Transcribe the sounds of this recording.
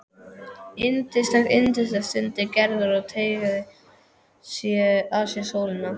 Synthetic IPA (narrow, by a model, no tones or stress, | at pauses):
ɪnt̪ɪst̪ɛxɪnt̪ɪslɛst̪ʏnt̪ɪcɛɾðʏɾɔɣt̪ʰejɣaðɪ | sɛasjɛsoːwlɪna